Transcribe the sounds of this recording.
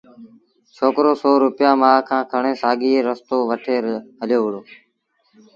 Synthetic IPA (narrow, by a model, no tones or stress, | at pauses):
t͡ʃʰoːkɾoːsoːɾʊpɪjãːmaːkʰãːkʰəɳẽːsaːɠiːeːɾəst̪oːʋəʈʰeːɾɦəljoːʋɪɽoː